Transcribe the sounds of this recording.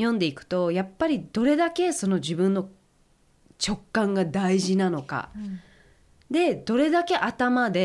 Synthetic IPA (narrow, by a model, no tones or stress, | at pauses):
jõ̞nd̪e̞ikɯ̟̥t̪o̞japːaɾʲid̪̥o̞ɾe̞d̪ake̞so̞no̞ʑibɯ̟̃nːo̞ | t͡ɕo̞kːãŋɡad̪aiʑinano̞ka̰ | d̪e̞d̪o̞ɾe̞d̪ake̞ʔat̪amad̪e̞